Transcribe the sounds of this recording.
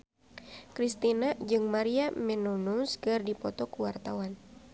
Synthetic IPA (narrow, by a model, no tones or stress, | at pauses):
kɾist̪inad͡ʒɨŋmaɾiamɛnunusɡɨrdipɔt̪ɔkuwart̪awan